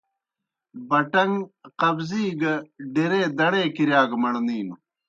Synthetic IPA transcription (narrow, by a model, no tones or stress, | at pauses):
bɐʈɐŋqɐbziːɡɐɖeɾeːd̪ɐɽeːkiɾjaːɡmɐɽniːnu